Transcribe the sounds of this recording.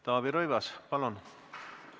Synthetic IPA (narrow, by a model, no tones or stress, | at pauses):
t̪ɑːbiɾojvɑspɑlon